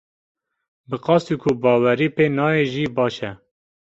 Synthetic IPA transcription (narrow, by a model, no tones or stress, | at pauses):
bɨqɑːst̪iːkʰʊbɑːwɛɾiːpeːnɑːeʒiːbɑːʃɛ